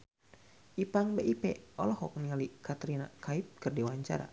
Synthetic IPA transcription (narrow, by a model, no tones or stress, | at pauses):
ʔipaŋbeʔipɛ̰ɔlɔhɔk̚nialikat̪ɾinakʰaip̚kɨrdiwaɲt͡ʃa̰ɾa̰